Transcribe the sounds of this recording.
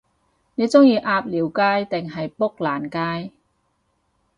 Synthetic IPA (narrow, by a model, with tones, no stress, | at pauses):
ne˨˧jt͡sʊ˥ŋjiː˧ʔaː˧p̚liː˨˩wkaː˥jt̪ɪ˨ŋɦɐ˨jpʊ˥k̚laː˨˩nkaː˥j